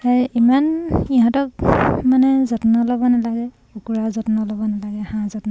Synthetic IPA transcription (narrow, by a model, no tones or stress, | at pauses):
aimaniɦɔ̃tɔk̚manɛzɔtnɔlɔbɔnalaɡɛ | ukuɹazɔtnɔlɔbɔnalaɡɛhãzɔtnɔ